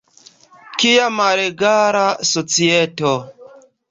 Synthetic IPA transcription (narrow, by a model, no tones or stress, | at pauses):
kijamaɾeɡaɾasot͡siɛto